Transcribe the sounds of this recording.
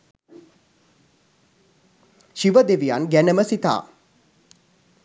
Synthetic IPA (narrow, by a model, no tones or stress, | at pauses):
ʃiʋəd̪eʋijanɡænəməsit̪a̰ː